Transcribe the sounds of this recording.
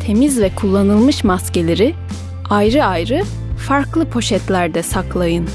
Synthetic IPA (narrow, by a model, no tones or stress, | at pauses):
t̪ʰe̞mizvɛkʰulˠːanɯlˠmɯʃmasce̞lʲeɾi | ajɾɯajɾɯ | faɾklˠɯpʰo̞ʃɛt̪lʲæɾd̪ɛsaklˠajɯn